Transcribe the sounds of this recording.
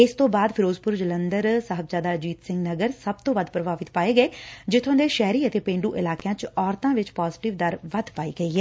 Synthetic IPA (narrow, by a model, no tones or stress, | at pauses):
ɪst̪õːbaːd̪pʰɪɾoːzpʊɾd͡ʒələnd̪əɾsəɦəbzaːd̪aːd͡ʒiːt̪sɪ̃ŋɡnəɡəɾsəbt̪õːʋəd̪pɾəbaːʋɪt̪paːeːɡəeːd͡ʒɪt̪ʰːõːd̪eːʃɛːɾiːət̪eːpẽːɳɖuːʔɪlaːkejãːt͡ʃɔːɾt̪ãːʋɪt͡ʃpaːzʈɪʋd̪əɾʋəd̪paːḭːɡəiːɦɛː